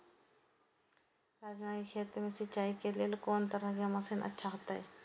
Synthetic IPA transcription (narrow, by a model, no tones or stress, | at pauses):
ɾaːd͡ʒmaːikʰeːt̪ɾmẽsɪt͡ʃaːikelielkoːnt̪ɐɾəɦkjamɐsinʔɐ̰tːʃʰaɦot̪aɦɛː